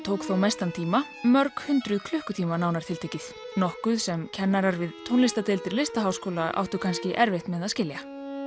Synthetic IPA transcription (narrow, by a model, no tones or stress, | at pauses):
t̪ʰoːwkθowmejst̪ant̪ʰiːma | mœɾkhʏnt̪ɾʏðkʰlʏhkʏt̪ʰiːmanaːwnaɾt̪ʰɪlt̪eːjcɪθ | nɔhkʏðsɛmcʰɛnːaɾaɾvɪðt̪ʰownlɪst̪at̪ɪlt̪ɪɾlɪst̪aɦawskoːlaa̰wht̪ʏkʰanscɪʔɛɾvɪht̪mɛðaðscɪlja